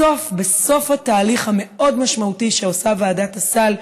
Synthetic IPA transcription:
o̞fbe̞so̞fhataːliχhame̞ʔo̞dmaʃmautiʃeosavaːdatasal

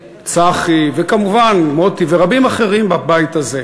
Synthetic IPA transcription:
t͡saχivekamuvanmot̪iveʁabimaχe̞ʁimbabajt̪aze

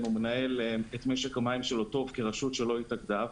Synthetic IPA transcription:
numenae̞letmeʃekamaimʃelo̞to̞vkeʁaʃutʃe̞lo̞itaɡdav

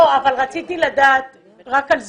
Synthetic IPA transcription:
avalʁat͡sit̪ilad̪aːt̪̚ | ʁakalz

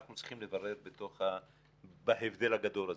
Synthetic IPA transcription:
aχnut͡sʁi̥χimlevaʁe̞ʁbet̪o̞χa | baɦevd̪e̞laɡad̪o̞laz

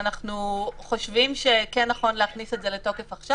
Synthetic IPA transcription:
naχnuχo̞ʃvimʃe̞kenːaχo̞nleaχnise̞tze̞leto̞ke̞faχʃa

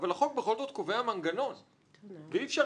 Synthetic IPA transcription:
valaχo̞k̚beχo̞lzo̞t̪̚koveamaŋɡano̞n | veifʃa

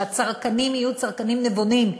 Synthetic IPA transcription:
at͡saʁkanimijut͡saʁkanimnevonim

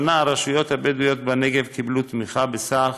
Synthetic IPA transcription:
naaɾaʃujo̞t̪habed̪ujot̪̚baneɡevkiblut̪miχabesa

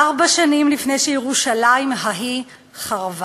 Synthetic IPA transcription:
aʁbaʃanimlifne̞jʃejeʁuʃalajimɦaɦi | χaʁv

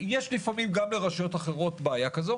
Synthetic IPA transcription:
jeʃlifamimɡamle̞ʁaʃajo̞taχe̞ʁo̞tbaajakazo

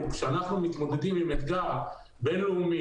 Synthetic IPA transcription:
kʃeanaχnumit̪mo̞d̪e̞d̪imːimet̪ɡa | benloumi

